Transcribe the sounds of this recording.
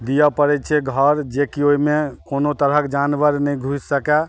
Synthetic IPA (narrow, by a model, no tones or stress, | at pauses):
d̪ijapəɾɛt͡ʃʰɛɡʱəɾd͡ʒekioimekonot̪əɾəkd͡ʒanʋəɾnɛĩɡʱussəkɛ